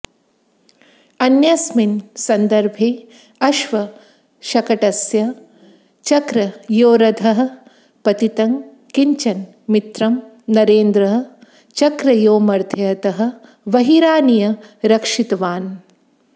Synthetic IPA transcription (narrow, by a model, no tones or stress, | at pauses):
ɐnjɐsminsɐnd̪ɐɾbʱeː | ɐʃʋɐ | ʃɐkɐʈɐsjɐ | t͡ʃɐkɾɐjoːɾɐd̪ʱɐɦɐ̆ | pɐt̪it̪ɐŋ | kiɲt͡ʃɐn | mit̪ɾɐm | nɐɾeːnd̪ɾɐɦɐ̆ | t͡ʃɐkɾɐjoːmɐɾd̪ʱʰjɐɐt̪ɐɦɐ̆ | ʋɐɦiɾaːnijɐɾɐkʂit̪ɐʋaːn